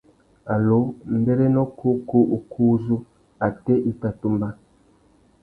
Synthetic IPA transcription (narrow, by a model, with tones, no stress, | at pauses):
a˨lo˨˦m̩˦be˦ɾe˦no˦kʰo˦ko˦ʔu˨kʰu˦zu˦ | a˨te˦ʔi˦ta˨tu˦mba˦